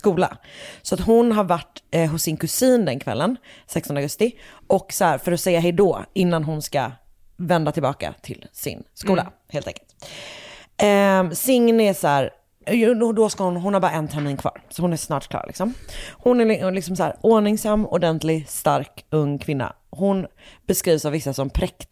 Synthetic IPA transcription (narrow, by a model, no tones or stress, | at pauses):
skuːla̰sɔat̪ɦʊnɦaɾvaʈːɦʊsːɪnkɵsiːnd̪ɛnkʰvɛ̰lːənsɛkst̪ɔnaɡɵst̪ɪɔkːsɔhæːɾfœɾɔsɛjːaɦɛjd̪ɔɪnːanɦʊnska̰ | vɛnd̪at̪ʰɪlbɑːka̰t̪ʰɪlsɪ̰nskuːla̰ | heːlt̪ɛ̰ŋkəlt̪ | ɛsɪŋnɛsæːɾ | d̪ɔskahʊnɦʊnhaɾbɑːɾaɛnt̪ʰæɾmiːnkʰvɑ̰ːɾsɔhʊnæsnɑ̰ːʈ̚kʰlɑ̰ːɾlɪ̰ksɔmhʊnælɪksɔmsæ̰ːɾoːɳɪŋsamːɔɖɛnt̪lɪɡst̪aɾkɵŋːkʰvɪnːa̰ | ɦʊn | bɛskɾiːvsavɪsːasɔmpʰɾɛkt̪